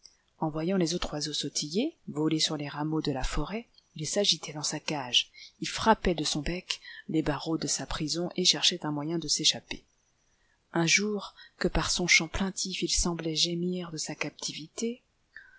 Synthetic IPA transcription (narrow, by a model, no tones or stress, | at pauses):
ɑ̃vwajɑ̃lezot̪χwazosɔt̪ʰijevɔlesyʁleʁamod̪əlafɔʁɛ | ilsaʒit̪ʰɛd̪ɑ̃sakaʒilfχapɛd̪əsɔ̃bɛklebaʁod̪əsapχizɔ̃ʔeʃɛʁʃɛt̪ɛ̃mwajɛ̃d̪əseʃape | ɛ̃ʒuʁkəpaʁsɔ̃ʃɑ̃plɛ̃t̪ʰifilsɑ̃blɛʒemiʁd̪əsakap̚t̪ʰivit̪e